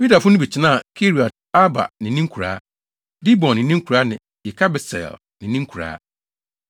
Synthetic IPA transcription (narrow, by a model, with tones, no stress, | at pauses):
ju˦da˨fʊ˦nʊ̃˦bi˨t͡ɕʰɪ˦nã˦˨kʰe˦ɾi˨ɔ˨t̚ | a˦ba̰˨nɪ̃˨˦nĩ˦ŋ˦kʰu˨ɾa̰ː˦ | di˦bɔ̃˨nːɪ̃˨nĩ˦ŋ̩˦kʰu˨ɾaː˦nɪ̃˨ | jɪ˨kʰa˦bɪ˨sɛ̰˨l | nɪ̃˨nĩ˦ŋ˦kʰu˨ɾa̰ː˨˦